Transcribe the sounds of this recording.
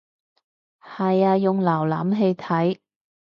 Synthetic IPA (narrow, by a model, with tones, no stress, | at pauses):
hɐ˨jaː˧jʊ˨ŋlaː˨˩wla̰ː˨˥mɦe˧jt̪ʰɐ˨˥j